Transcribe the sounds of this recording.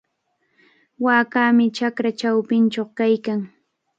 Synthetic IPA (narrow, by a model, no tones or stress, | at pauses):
waːkaːmɪt͡ʃakɾat͡ʃawpɪnt͡ʃoχkajkaŋ